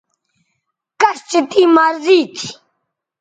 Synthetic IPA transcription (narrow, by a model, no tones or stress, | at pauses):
kɐst͡ɕit̪iːmaːɾziːt̪ʰi̥